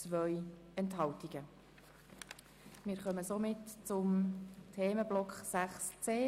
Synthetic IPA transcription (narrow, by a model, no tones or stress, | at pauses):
t͡sʋœj | ɛntɦɑltiɡ̥ə | mɪːɾχœməsomɪtt͡sʊmtʰeːməblɔkχsæχst͡seː